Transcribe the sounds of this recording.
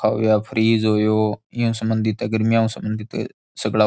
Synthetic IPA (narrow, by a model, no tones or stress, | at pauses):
aːo̰jaːpʰəɾiːzɦoːjoːɪjũːsəmənd̪ɪt̪əɡəɾmjãːũːsəmənd̪it̪ | səɡlaː